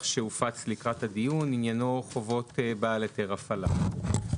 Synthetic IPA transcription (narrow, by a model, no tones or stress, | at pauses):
ʃeufat͡slikʁathadijuninjano̞χovo̞tbaaleteʁafala̰